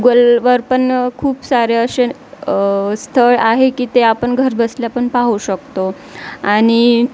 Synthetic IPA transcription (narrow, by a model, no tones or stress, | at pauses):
ɡəlʋəɾpəɳkʰuːpsaɾeəɕe | st̪ʰəɭaɦekiːt̪eapəɳɡʱəɾbəsljapəɳpaɦuɕəkt̪o | aɽ̃i